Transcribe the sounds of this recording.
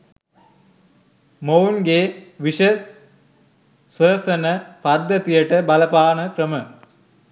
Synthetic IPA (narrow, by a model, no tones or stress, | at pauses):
mownɡeːʋiʃə | sʋəːsɐnəpad̪ːət̪ijəʈəbɐləpaːnəkrəmə